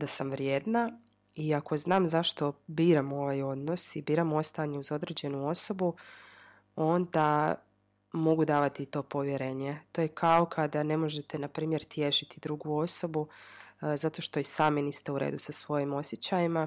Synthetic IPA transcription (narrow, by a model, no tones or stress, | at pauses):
d̪asamʋɾjeːd̪na | iako̞znaːmzaʃt̪o̞biːɾamo̞ʋajo̞d̪no̞sibiːɾamo̞st̪aaɲeuzo̞d̪ɾe̞ːd͡ʑe̞nuo̞so̞bu | o̞nd̪a | mo̞ɡud̪aːʋat̪iːt̪o̞ːpo̞ʋje̞ɾe̞ːɲet̪o̞je̞kʰao̞kʰad̪ane̞mo̞ʒe̞t̪e̞napɾiːmje̞ɾt̪je̞ʃit̪id̪ɾuɡuo̞so̞bu | zat̪o̞ʃt̪o̞isaːminist̪euɾḛːd̪usasʋo̞jimo̞sjet͡ɕajima